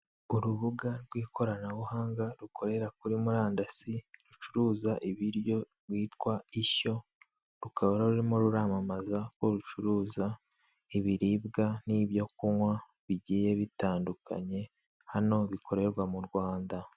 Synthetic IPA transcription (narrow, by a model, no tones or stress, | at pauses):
uɾuβuɡaɾɡwiːkʰo̞ɾanawuhaːŋɡaɾukʰo̞ɾe̞ɾakuɾimuɾaːndasiɾut͡ʃuɾuːzaʔiβiɾjo̞ɾɡwiːtkwaiʃo̞ | ɾukʰaβaɾaɾuɾimoɾuɾamamazako̞ɾut͡ʃuɾuːza | iβiɾibɡaniβjo̞kuwa | βiɟiːje̞βitaːndukʰa̰ɲe̞ | hano̞βikʰo̞ɾe̞ɾɡwamuɾɡwaːnda